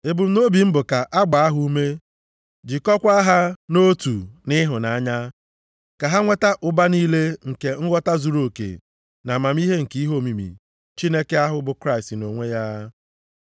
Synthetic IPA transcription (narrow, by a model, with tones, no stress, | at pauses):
e˨bʊ˨m̩˦no˦bi˨m̩˦bʊ˨ka˨ʔa˦ɡ͡ba˨a˦ɦu˦u˦me˦ | d͡ʒɪ˨kɔ˦kʷa˦ɦa˦no˦tu˨nɪ˦ɦʊ˨na˨a˦ɲa˦ | ka˨ɦa˦ŋʷe˦ta˦ʔʊ˨ba˦niː˦le˦ŋ̩˨ke˨ŋ̩˦ɡʷɔ˦ta˦zu˨ɾo˨kḛ˨ | na˨ma˨m˦i˦ɦe˦ŋ̩˨ki˦i˦ɦo˦˨mi˨mḭ˨ | t͡ʃi˦ne˦ke˦a˦ɦʊ˨bʊ˨kɾa˦ɪ˨stno˨ŋʷe˦ja˦